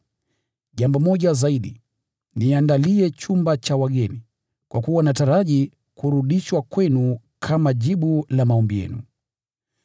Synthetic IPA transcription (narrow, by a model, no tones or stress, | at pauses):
ʄambɔmɔʄazaiɗi | niandaliɛt͡ʃumbat͡ʃawaɠɛni | kwʔakuwanataɾaʄi | kuɾuɗiʃwakwɛnu | kʰamaʄiɓulamaɔmbijɛ̰nṵ